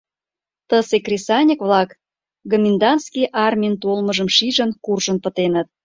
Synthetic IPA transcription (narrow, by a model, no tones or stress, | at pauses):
t̪əsekrʲesɑnʲəkβlɑk | ɡə̆mʲind̪ɑnskijʔɑrmʲijənt̪olməʒəmʃiʒənkurʒənpə̆t̪enə̆t̪̚